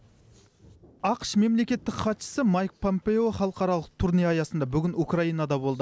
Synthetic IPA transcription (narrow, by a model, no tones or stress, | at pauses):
ɑqəʃme̞mle̞kʲe̞t̪ːɪkχɑt̪ʃə̥səmɑjk̚pʰo̞mpe̞o̞χɑlˠəqɑɾɑlˠəq̚t̪ʰʊɾnijɑjɑsənd̪ɑbʏɡʲɪnukrɑijnɑd̪ɑbo̞lˠd̪ə